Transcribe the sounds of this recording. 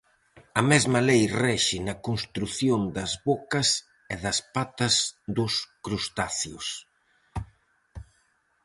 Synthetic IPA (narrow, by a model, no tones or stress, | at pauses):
ɐmɛzmɐlejrɛʃɪnɐkonst̪ɾuθjond̪ɐzβokɐs | ɛðɐspat̪ɐzd̪ʊskɾust̪aθjʊs